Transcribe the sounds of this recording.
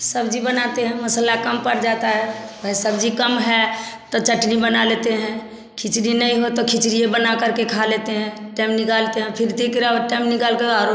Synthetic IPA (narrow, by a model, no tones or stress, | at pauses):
səbd͡ʒibənat̪eɦɛ̃məsəlakəmpəɾd͡ʒat̪aɦɛʋəɦisəbd͡ʒikəmɦɛt̪ɔt͡ʃəʈnibənalet̪eɦɛ̃ | kʰit͡ʃɾinəĩɦot̪okʰit͡ʃɾijebənakəɾkekʰalet̪eɦɛ̃ʈɛmnikalt̪eɦɛ̃pʰɪɾt̪ikɾaʈɛmnikalkeaɾo